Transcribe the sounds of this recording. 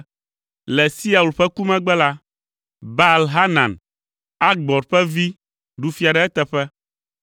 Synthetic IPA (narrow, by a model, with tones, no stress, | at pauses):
lɛ˨si˦a˨u˨lɸɛ˦ku˦mɛ̃˦ɡ͡bɛ˦la˦ | ba˦˨lɦa˦nã̰˨n | a˦ɡ͡bɔ˨ɾɸɛ˦vi˦ | ɖu˨fi˨a˨ɖɛ˨ɛ˦t̪ɛ˨ɸɛ˦